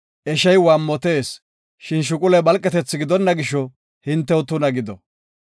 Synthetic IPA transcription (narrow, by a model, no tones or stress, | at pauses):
ʔɛʃɐjwaːmːɔt̪e̞ːs | ʃɪnʃ̬ʊkʼʊlɛbɐlkʼːɛt̪ɛt͡sːɪɡɪd̪ɔnːɐɡɪʃɔ | hɪnt̪ːɛwt̪ʊnɐɡɪd̪ɔ